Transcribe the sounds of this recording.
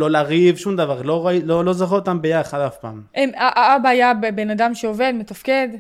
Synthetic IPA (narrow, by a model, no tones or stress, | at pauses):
lolaʁivʃumd̪avaʁloʁalolozaχuot̪ambejaχad̪afpaːmʔemaʔaabaːjabebe̞nad̪amʃeove̞d̪met̪afke̞d̪